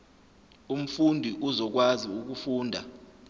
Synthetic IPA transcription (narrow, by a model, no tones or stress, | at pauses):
um̩fundʱiʔuzɔk̬waziuk̬ufuːndʱa̰